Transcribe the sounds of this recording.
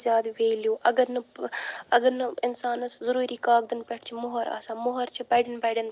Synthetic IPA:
zʲjaːd̪ʋeːljuːʔɐɡɐɾnɐ | ɐɡɐɾnɐɪnsaːnɐszɐɾuːɾiːkaːɡ̚d̪ɐnpɐʈʰt͡ʃʰimʊɦɐɾa̰ːsãːmʊɦɐɾt͡ʃʰipɐɖɐnbɐɖɐn

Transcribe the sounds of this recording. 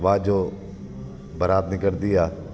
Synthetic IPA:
ʋaːd͡ʒoː | bəɾaːt̪nɪkəɾd̪ijaː

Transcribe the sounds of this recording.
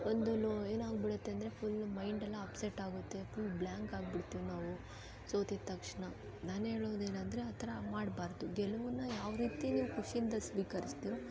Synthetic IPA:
ond̪ulueːnaːɡbiɽut̪ːe̞ɐnd̪ɐɾe̞pʰulmɐjɳɖɐlːɐːpseʈaːɡut̪ːe̞pʰulblaːŋkaːɡ̚biɽt̪ːiːʋunaːʋu | so̞ːt̪it̪ɐkʂɳɐ | naːnɦe̞ːɭoːd̪eːnɐnd̪ɐɾeɐt̪ʰɐɾɐmaːɽbaːɾd̪uɡɛlɐʋunːɐjaːʋɾiːt̪iniːʋukuʂiind̪ɐsʋiːkɐɾist̪iːɾo

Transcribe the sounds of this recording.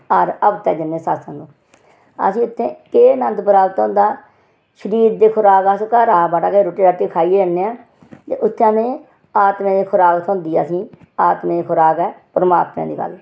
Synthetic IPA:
əɾəbt̪ɛ̰ːd͡ʒɪnːẽːsaːsə̃ːd̪oː | ə̰sĩːʊt̪ʰːẽːkeːnənt̪pəɾaːɡət̪ɦʊ̃nd̪aː | ʃəɾiːd̪d̪eːkʰʊɾaːkaːskaːɾaːbaːʈaːkeːɾoːʈːiːɾaʈːiːkʰaːiːɾənːeːãː | t̪ḛːʔʊt̪ʰːeãːmẽː | aːt̪mẽːd̪eːkʰʊɾaːɡət̪ɦʊ̃ːnd̪iːɛəsĩː | aːt̪mẽːeːkʰʊɾaːkɛːpɾəma̰ːt̪mḛ̃ːd̪iːɡə̰l

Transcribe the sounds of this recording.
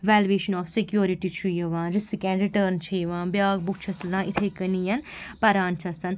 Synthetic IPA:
ʋɛːlʋeːʃɐnɔːfsikjoːɾiʈit͡ʃʰujɐʋãːnɾisikɛ̃ɳɖɾiʈəːɾnt͡ʃʰɐjʋãːnbjaːɡ̚buk̚t͡ʃʰɐslãːʔit̪ʰekɐnijɐnpɐɾaːnt͡ʃʰɐsɐn

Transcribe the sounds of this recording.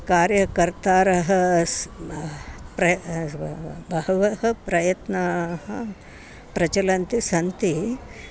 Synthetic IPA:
kaːɾjɐkɐɾt̪aːɾɐɦɐ | pɾɐ | bʱɐɦɐʋɐɦɐ̆pɾɐjɐt̪nɐɦɐ | pɾɐt͡ʃɐlɐnt̪isɐnt̪i

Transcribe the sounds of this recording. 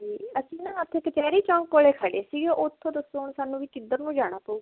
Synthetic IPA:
d͡ʒiːəsĩːnãːət̪ʰːeːkət͡ʃɛːɾiːt͡ʃɔ̃ːŋkoːleːkʰəɖeːsiːɡeːʔoːt̪ʰːõːd̪əsoːɳsaːnũːʋiːkɪd̪əɾnũːd͡ʒaːɽ̃aːpəuː

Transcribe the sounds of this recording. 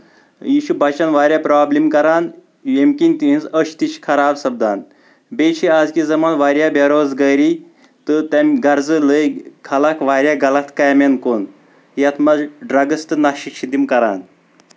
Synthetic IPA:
jiʃubat͡ʃanʋaːɾʲjapɾɔːblimkɐɾan | jemkʲinʲt̪ĩnzəɕt̪iɕkʰɐɾaːbsɐb̚d̪aːn | bet͡ʃʰiad͡zkizɐmanʋaːɾjabaɾozɡəjɾi | t̪ət̪amɡɐɾd͡zələjkʰalakʋaːɾʲjaɡɐlat̪kajmenkon | jat̪ʰmɐzɖɾaɡəst̪ɨnaɕikɕid̪imkɐɾa̰ːn

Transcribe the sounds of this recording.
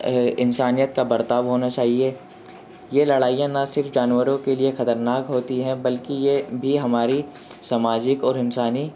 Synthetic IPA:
ɪnsaːnijət̪̚kabɐɾt̪aːʋɦoːnat͡ʃaːɦieː | jelɐɽaːijãnɐsɪɾfd͡ʒaːnwəɾõkeliexɐt̪əɾnaːkɦoːt̪iɦɛ̃bɐlkijebʱiɦɐmaːɾi | sɐmaːd͡ʒɪkɔːɾɪnsaːni

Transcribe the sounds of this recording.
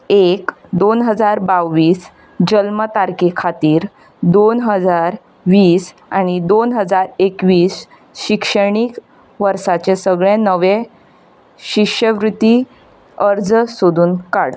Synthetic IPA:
ekd̪onɦəd͡zaɾbaʋʋiːs | d͡ʑəlmət̪aɾkikʰat̪iːɾ | d̪onɦəd͡zaɾ | ʋiːs | añid̪onɦəd͡zaɾekʋiːs | ɕikʂəɳ̃iːk | ʋəɾsat͡ɕesəɡɭẽnəʋe | ɕikʂəʋɾut̪i | əɾd͡zsod̪ʱuːnkaɽt̪

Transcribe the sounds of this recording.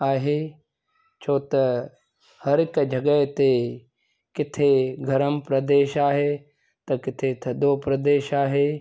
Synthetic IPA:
aːɦeː | t͡ʃʰoːt̪ɐ | hɐɾɪkd͡ʒʱɐɡət̪e | kɪt̪ʰeɡʱɐɾəmpɾɐd̪eːʃaːɦe | t̪ɐkɪt̪ʰet̪ʰɐd̪oːpɾɐd̪eːʃaːɦeː

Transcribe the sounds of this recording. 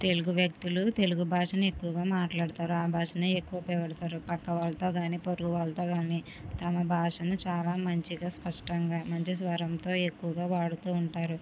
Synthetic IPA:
t̪e̞luɡuʋjɐk̚t̪ulut̪e̞luɡubʱaːʂɐnɐe̞kːuʋɐɡaːmaːʈlaːɽt̪aːɾuaːbʱaːʂɐnɐekːuʋɐpɛːʋɐɽɐt̪aːɾupɐkːɐʋaːlɐt̪o̞ːɡaːniːpoɾuɡuʋaːlɐt̪o̞ːɡaːniː | t̪ɐmɐbʱaːʂɐnut͡ʃaːlaːmɐɲt͡ʃiɡaːspɐʂʈɐŋɡaːmɐɲt͡ʃisʋɐɾɐmt̪o̞ːe̞kːuʋɐɡaːʋaːɽut̪uːɳʈaːɾu

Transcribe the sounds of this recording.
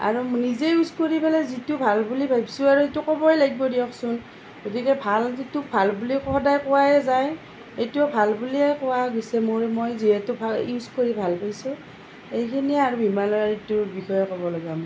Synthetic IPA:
a̰ɹunizeiuskoɹipalɛzitubʱalbulibʱajbsũaɹuetukɔbɔɛlaɡibɔdiɔksʊn | ɡ̥otikɛbʱalzitubʱalbulikʰɔdajkɔwaɛzaj | ejtuɔbʱalbuliɛkɔwaɡisɛmoɹmojziɦɛtubʰʱaiskoɹibʱalpajsũ | ejkʰiniaɹubʱimalɔitubixɔjɔkɔbɔlɔɡam

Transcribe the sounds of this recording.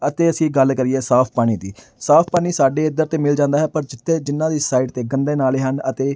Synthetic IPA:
ət̪eːəsĩːɡəlkəɾieːsaːpʰpaːɽ̃iːd̪ḭː | saːpʰpaːɽ̃iːsaːɖeːɪd̪əɾt̪eːmɪld͡ʒãːnd̪aːɦɛːpəɾd͡ʒɪt̪ʰːeːd͡ʒɪnːãːd̪iːsaːiːʈt̪eːɡənd̪eːnaːleːɦənət̪eː

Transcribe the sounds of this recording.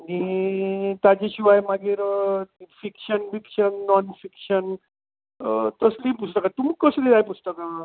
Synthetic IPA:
ni | t̪ad͡ʑeɕiʋajmaɡiːɾ | fikɕənfikʂənːɔnfikɕən | t̪əslipust̪əkat̪umikəslid̪ajpust̪əka

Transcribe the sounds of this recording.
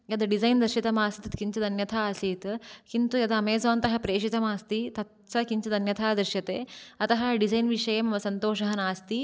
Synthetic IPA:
jɐd̪ɐɖizɐjnd̪ɐɾʃit̪ɐmaːst̪it̪ɐt̪kiɲt͡ʃɐd̪ɐnjɐt̪ʰaːɐsiːt̪kint̪ujɐd̪ɐmeːsɐʋaːnt̪ɐɦɐpɾeːʂit̪ɐmaːst̪it̪ɐt̪ | sɐkiɲt͡ʃɐd̪ɐnjɐt̪ʰaːd̪ɾɨʃjɐt̪eːɐt̪ɐɦɐɖizɐjnʋiʂɐjɐmɐʋɐsɐnt̪oːʂɐɦɐnaːst̪i

